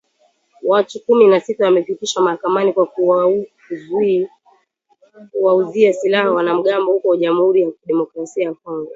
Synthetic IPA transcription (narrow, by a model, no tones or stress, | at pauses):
watukuminasitawamɛfitiʃamahakamanikwa | kuwauziasilahawanam̩ɠambɔhukɔwʄamuhuɾijakɗɛmɔkɾasiajakɔŋɡa